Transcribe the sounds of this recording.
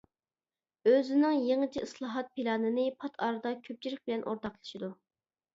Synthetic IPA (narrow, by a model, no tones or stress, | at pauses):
øzɪnɪŋjeŋɨt͡ʃʰiislˠɑːɦɑt̪̚pʰilɑːnɨnɨpʰɑt̪ʰɑ̰ːɾɨd̪ɑkʲʰøp̚t͡ʃʰiɾɪχ̚ʲbɪlɛnʔo̰ɾt̪ɑqlˠɨ̥ʃid̪u